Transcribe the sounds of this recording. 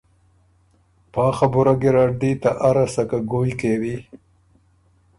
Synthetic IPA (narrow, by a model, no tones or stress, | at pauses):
pɑːxabʊɾaɡiɾaːɖ̚d̪iːt̪aʔaɾasakaɡoːjikeːwi